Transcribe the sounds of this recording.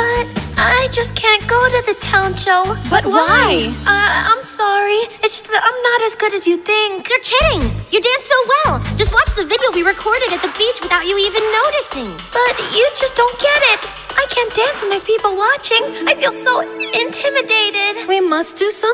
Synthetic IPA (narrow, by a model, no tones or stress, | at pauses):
b̥ʌɾʔaɪd͡ʒʌskʰæ̃nɡ̥oʊɾɨðɨtʰãʊ̃nʃoʊb̥ʌt̚wwaɪʌã̰ɪ̃msɑɹiɨtsd̥ʒ̥ʌ̥stãɪ̃mnəɾɨzɡʊɾɨzjɨθɪ̃ŋkjə˞kʰɪɾɪ̃ŋjɨdæ̃nsoʊwɛl̥ˠʒ̥ʌst̚wɑt͡ʃðɨvɪɾioʊwiɹɨkʰɔɹɾɨɾɨt̪̚ðɨbit͡ʃwɨθaʊt͡ʃɨivɨ̃nːoʊɾɨsɪ̃ŋ | b̥ʌt͡ʃɨd͡ʒʌsd̥õʊ̃nɡ̥ɛɾɪt̚ | ʔaɪkʰæ̃nd̥æ̃nswɨ̃n̩ðiz̥pʰipl̩ˠwɑt͡ʃɪ̃ŋaɪfilˠsoʊɪ̃ntʰɪ̃mɨdeɪɾɪd̥wimʌsd̥ɨsʌ̃